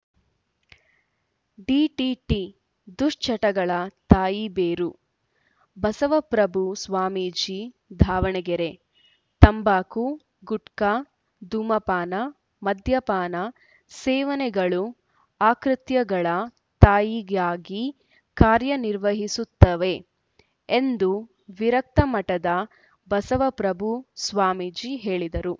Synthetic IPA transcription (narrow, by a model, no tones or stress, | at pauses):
ɖiʈiʈi | d̪uʂt͡ʃʰɐʈɐɡɐɭɐt̪aːjibeːɾu | bɐsɐʋɐpɾɐbʱusʋaːmid͡ʒi | d̪ʱaːʋɐɳɛɡeɾe̞ | t̪ɐmbaːku | ɡuʈka | d̪uːmɐpaːnɐ | mɐd̪ʱjɐpaːnɐ | sɛːʋɐnɛɡɐɭu | aːkɾɨt̪jɐɡɐɭɐ | t̪aːjiɡaːɡi | kaːɾjɐniɾʋɐɦisut̪ːɐʋe̞ | end̪u | ʋiɾɐk̚t̪ɐmɐʈɐd̪ɐ | bɐsɐʋɐpɾɐbʱusʋaːmiːd͡ʒiɦe̞ːɭid̪ɐɾu